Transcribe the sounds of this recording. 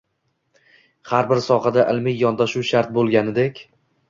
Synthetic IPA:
haɾbɪɾsɒhad̪aʔɪlmɪjːɒnd̪aʃʊʃaɾt̪̚bolˠɡʲanɪd̪ekʲ

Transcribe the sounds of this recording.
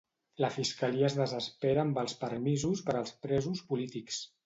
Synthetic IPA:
ləfiskəliəzðəzəspeɾəːmbəlˠspəɾmizuspəɾəlˠspɾɛzuspulit̪iks

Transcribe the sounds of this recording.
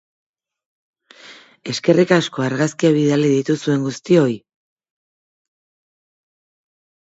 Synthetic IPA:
e̞ske̞rikasko̞aɾɣaskiaβiðaliðit̪usue̞ŋɡust̪io̞j

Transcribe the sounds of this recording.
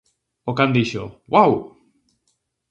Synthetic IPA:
okand̪iʃowaw

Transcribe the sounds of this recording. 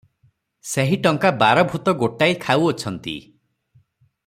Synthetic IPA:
seɦiʈɔŋkabaɾɔbʱut̪ɔɡoʈajkʰawɔt͡ʃʰɔnt̪ḭ

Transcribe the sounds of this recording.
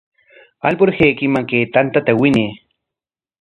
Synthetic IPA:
alpʊɾxeːkimaŋkeːt̪ant̪at̪awini

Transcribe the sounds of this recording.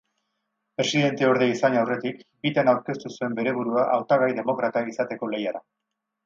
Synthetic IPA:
pɾesiðe̞nt̪e̞o̞ɾðeisanawre̞t̪ikbit̪enawɾke̞st̪usue̞mbe̞ɾe̞β̞uɾuaʔawt̪aɣajðe̞mo̞kɾat̪aisat̪e̞ko̞le̞jaɾa

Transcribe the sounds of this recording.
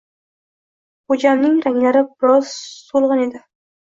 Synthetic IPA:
χod͡ʒamnɪŋɾaŋʲlaɾɪbɪɾɒz̥solˠʁɑne̞d̪ɪ

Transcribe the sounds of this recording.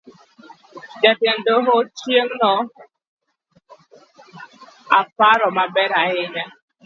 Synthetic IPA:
d͡ʒatjen̩doɦot͡ʃieŋnɔ | afaɾɔmabɛɾajeɲa

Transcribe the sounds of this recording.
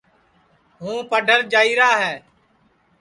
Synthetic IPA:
ɦũːpəɖʱəɾd͡ʒaːiːɾaːɦɛː

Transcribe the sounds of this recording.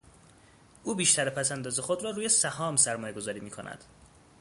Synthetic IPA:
ʔuːbiːʃt̪ʰæɾepʰæsænd̪ɒːzexod̪ɾɒːɾuːjesæhɒːmsæɾmɒːjeɡozɒːɾiːmiːkʰo̰nʔæ̰d̪̥

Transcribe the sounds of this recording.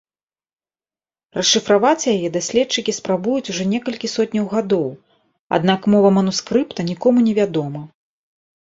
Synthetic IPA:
rɐsʂːɨfɾavat͡sʲjajɛd̪asʲlʲɛtt͡ʂːɨkʲispɾabujut͡sʲuʐɔnʲɛkɐlʲkʲisɔt̪ʲnʲɐwɣad̪ɔw | a̰d̪nakmɔvɐmɐnuskɾɨpt̪ɐnʲikɔmunʲɛvʲad̪ɔmɐ

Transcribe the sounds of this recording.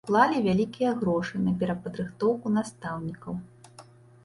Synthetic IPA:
klˠalʲivʲalʲikʲijɐɣɾɔʂɨnɐpʲɛɾɐpɐd̪ɾɨxt̪ɔwkunast̪awnʲikɐw

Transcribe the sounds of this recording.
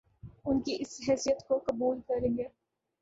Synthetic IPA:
ʊnkiʔɪsɦɛːsijət̪kokɐbuːlkɐɾẽːɡeː

